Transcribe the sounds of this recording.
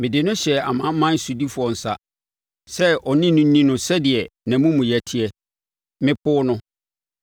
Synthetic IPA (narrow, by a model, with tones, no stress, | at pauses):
mɪ̃˨dɪ˨nʊ̃˦ɕɛ˨a˨mã˨˦m̩˦mã˦n̩˦su˨di˦fʊ˨ɔ˨n̩˨sa̰˦ | sɛ˦ʔɔ˨nɪ̃˦nũ˦nĩ˦nʊ̃˨sɛ˦dɪ˨ɛ˨nã˨mũ˦mũ˨jæ˨tʰɪ˦ɛ˦ | mɪ̃˦pʰʊː˦nʊ̃˦